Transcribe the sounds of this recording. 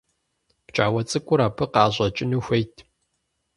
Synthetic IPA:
t͡ʃʼaːwɐt͡sʼɨkʷʼʊɾaːpʰɨqɑːʑʷʼɐt͡ʃʼɪnuxʷejtʰ

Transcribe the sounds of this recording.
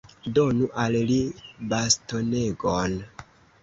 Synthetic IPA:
do̞nuʔallibasto̞neɡon

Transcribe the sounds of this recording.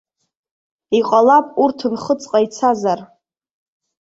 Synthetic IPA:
iqʼalapʼurtʰɨnχət͡sʼqʼajt͡sʰazar

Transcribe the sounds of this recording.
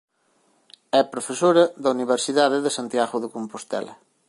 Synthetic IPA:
ɛpɾofesoɾɐðɐuniβeɾsiðaðɪðesant̪jaɣʊðekompost̪ɛ̰lɐ̰

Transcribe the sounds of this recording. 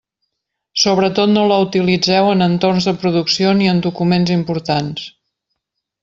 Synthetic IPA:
soβɾət̪ot̪noləut̪ilid͡zɛwənənt̪ornzðəpɾuðuksioniənd̪ukumenzimpuɾt̪ans

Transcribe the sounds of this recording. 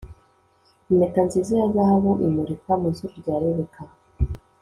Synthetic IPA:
imekanzizijazahaβuʔimuɾikamunzuɾuɾɟaːɾeβeka

